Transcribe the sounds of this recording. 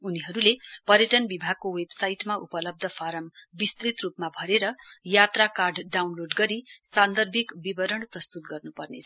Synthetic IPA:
uniɦʌɾulepʌɾjʌʈʌnbibʱaɡ̚kowebsajʈmaʔupʌlʌb̚d̪ʱʌpʰaɾʌmbist̪rit̪rupmabʱʌɾeɾʌjat̪rakarɖɖawnloɖɡʌɾisand̪ʌrbʱikbibʌɾʌɳprʌst̪ut̪ɡʌrnupʌrnet͡sʰ

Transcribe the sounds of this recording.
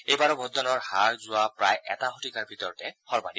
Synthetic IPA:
ejbaɹɔbod̪ʱɔnɔɹhaɹzʊwapɹajʔɛ̰taɦotikaɹbʱit̪ɔɹɔtɛhɔɹba̰ni

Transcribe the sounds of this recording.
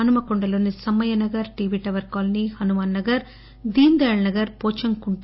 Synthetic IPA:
ɐnumɐkɔɳɖɐloːnisɐmːɐjɐnɐɡɐɾʈiːʋiːʈɐʋɐɾkaːlnihɐnumɐːnːɐɡɐɾ | d̪iːnd̪ɐːɭnɐɡɐɾpoːt͡ʃɐŋkuɳʈ

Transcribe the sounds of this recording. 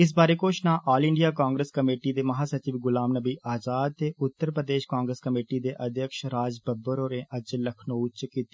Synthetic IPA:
ɪs̬baːɾeːkoːt͡ʃnãːʔaːlɪ̃ɳɖijaːkãːŋɡɾəskəmeːʈid̪eːməɦaːsət͡ʃiːʋɡʊlaːmnəbiːʔʔaːd͡ʒaːd̪̚t̪eːʔʊt̪ːəɾpɾəd̪eːʃkaːŋɡɾəskəmeːʈiːd̪eːʔəd̪ʱjəkʃɾaːd͡ʒbəbəɾoːɾẽːʔəd͡ʒləkʰnoːt͡ʃkiːt̪i

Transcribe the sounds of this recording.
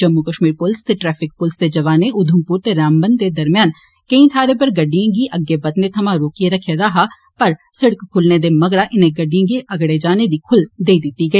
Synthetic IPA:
d͡ʒɐmːukəʃmiːɾpʊlst̪eʈɾɛːpʰɪk̚pʊlst̪ed͡ʒɐʋaːneʔʊd̪ʱəmpuːɾt̪eɾaːmbənd̪t̪ed̪ɐɾmjaːn | kɐĩt̪ʰaːɾepɐɾɡɐɖːijãɡiʔɐɡebɐt̪net̪ʰɐmãɾoːkieɾɐkʰed̪aːɦa | pɐɾsɪɽəkkʰːʊlned̪emɐɡɽaʔɪnẽɡɐɖijãɡiʔɐɡɽed͡ʒaːned̪ikʰʊld̪eːid̪ɪt̪iɡɐiː

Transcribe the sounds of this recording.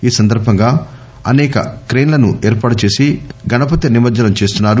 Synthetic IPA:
iːsɐnd̪ɐɾbʱɐŋɡaː | ɐnɛːkɐ̰kɾeːnlɐnuɛːɾpaːʈut͡ʃe̞ːsiɡɐnɐp̬ɐt̪ːɐnimɐɾd͡ʒɐnɐmt͡ʃeːst̪unːaːɾu

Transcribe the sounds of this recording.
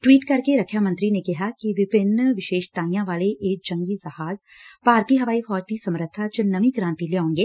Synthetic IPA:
ʈwiːʈkɐɾkeɾɐkʰːjamɐ̃nt̪ɾinekɪɦakiʋɪpɪnːʋɪʃeːʃt̪aːĩjãʋaːleʔeːk̚d͡ʒɐ̃ŋɡizɐhaːz | paːɾt̪iɦɐʋaːifɔːd͡ʒt̪isɐ̃mɾət̪ʰːat͡ʃnɐʋĩkɾãːnt̪ileːaõːŋɡeː

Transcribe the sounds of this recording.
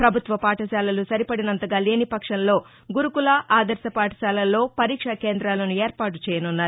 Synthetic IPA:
pɾɐbʱut̪ʋɐpaːʈɐʃaːlɐlusɐɾipɐɽinɐnt̪ɐɡaːleːnipɐkʂɐnlo̞ː | ɡuɾukulɐʔaːd̪ɐɾsɐpaːʈɐ̥ʃaːlɐlːo̞ːpɐɾiːkʂɐke̞ːnd̪ɾaːlɐnue̞ːɾpaːʈu̥t͡ʃɛːjɐnunːaːɾu

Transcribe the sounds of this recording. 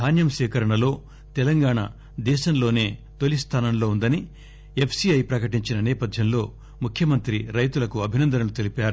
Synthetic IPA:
aːnjɐmʃɛːkɐɾɐɳɐlo̞ː | t̪ɛlɐŋɡaːɳa̰ | d̪ɛːʃɐmlo̞ːne̞ːt̪olist̪ʰaːnɐmlo̞ːund̪ɐni | epʰsiɐjpɾɐkɐʈiɲt͡ʃinɐnɛːpɐd̪ʱjɐmlo̞ː | mukʰjɐmɐnt̪ɾiɾɐjt̪ulɐkuɐbʱinɐnd̪ɐnɐlut̪elipaːɾu

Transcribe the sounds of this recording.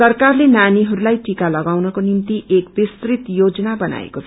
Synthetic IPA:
sʌrkarlenaniɦʌɾulajʈikalʌɡawnʌkonimt̪iʔekbist̪rit̪jod͡zʌnabʌna̰ḛkot͡sʰ

